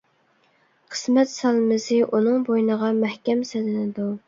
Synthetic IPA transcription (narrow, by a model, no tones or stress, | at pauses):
qʰə̥smɛt̪sɑlˠmɪzɪʔunɨŋbojnəʁɑmæhkʲɛmsɛlɪnɪd̪u